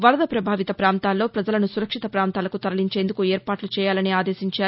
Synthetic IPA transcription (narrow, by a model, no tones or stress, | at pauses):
ʋɐlɐd̪ɐpɾɐbʱaːʋit̪ɐpɾaːnt̪aːlːo̞ːpɾɐd͡ʒɐlɐnusuɾɐkʂit̪ɐpɾaːnt̪aːlɐkut̪ɐɾɐliɲt͡ʃe̞ːnd̪ukuɛːɾpaːʈlut͡ʃɛːjaːlɐniaːd̪e̞ːsiɲt͡ʃaːɾu